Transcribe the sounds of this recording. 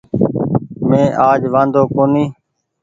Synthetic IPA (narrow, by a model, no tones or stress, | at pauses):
mẽːʔaːd͡ʒʋãːnd̪oːkoːniː